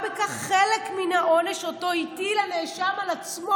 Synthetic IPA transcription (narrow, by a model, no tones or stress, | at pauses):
bekaχːelekminhao̞ne̞ʃoto̞itilaneʃamalat͡smo